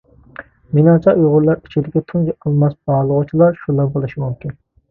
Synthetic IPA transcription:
minɑt͡ʃʰɑuʁʊɾlˠɑɾi̥t͡ʃʰid̪ɪkʲɛt̪ʰunɡɛqʰəlˠmɑsbɑʁlˠəʁʊt͡ʃʰilˠɑɾʃulˠɑnbolˠɨʃimumkʲin

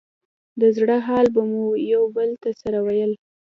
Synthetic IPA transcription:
d̪əzɽəɦɑlbamujawbəlt̪asaɾawajəl

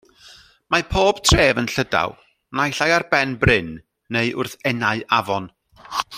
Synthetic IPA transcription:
mapʰoːb̥tʰreːvənɬəda̰w | najɬajarbɛnbrɪnː | eɨʔʊrθɛnaɨʔavɔn

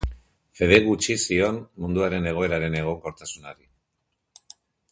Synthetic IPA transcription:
fe̞ð̞e̞ɣut͡ʃisio̞nmund̪uaɾe̞ne̞ɣ̞o̞e̞ɾaɾe̞ne̞ɣ̞o̞ŋko̞ɾt̪asunaɾi

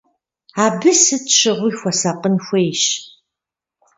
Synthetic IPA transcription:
aːbɨsɨtʃʰɨʁʷʊixʷɔsɐqənxʷejɕ

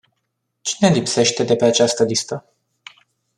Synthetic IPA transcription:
t͡ʃine̞lipse̞ʃt̪e̞d̪e̞pe̞at͡ʃast̪əlist̪ə

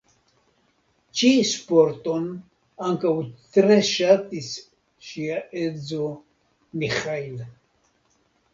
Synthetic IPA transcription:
t͡ʃispoɾt̪on | aŋkawt̪ɾɛʃat̪is | ʃiaʔed͡zo | miχail

